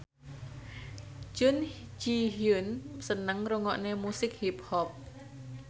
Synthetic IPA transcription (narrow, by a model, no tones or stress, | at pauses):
t͡ʃunt͡ʃiɦunsənəŋrɔŋɔʔnemusik̚hip̚hɔp̚